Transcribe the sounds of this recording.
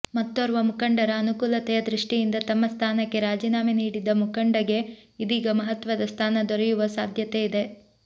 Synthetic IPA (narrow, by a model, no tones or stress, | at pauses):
mɐt̪ːɐɾuʋɐmukɐɳɖɐɾɐːnukuːlɐt̪ɛjɐd̪ɾiʂʈijind̪ɐt̪ɐmːɐst̪ʰaːnɐkːe̞ɾaːd͡ʒiːnaːmeniːɽid̪ːɐmukɐɳɖɐɡe̞id̪iːɡɐmɐɦɐt̪ʋɐd̪ɐst̪ʰaːnɐd̪ɔɾɛjuʋɐsa̰ːd̪ʱjɐt̪eid̪e̞